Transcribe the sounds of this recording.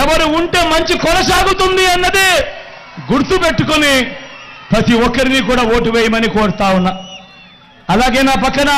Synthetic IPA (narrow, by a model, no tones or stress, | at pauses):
ɛʋɐɾuuɳʈe̞ːmɐɲt͡ʃikɔnɐsaːɡut̪und̪iɐnːɐd̪i | ɡuɾt̪upe̞ʈːukuni | pɾɐt̪iɔkːɐɾinikuːɽaːoːʈiʋeːjɐmɐnikoːɽut̪aːwunːa | ɐlaːɡe̞ːnaːpɐkːɐnɐ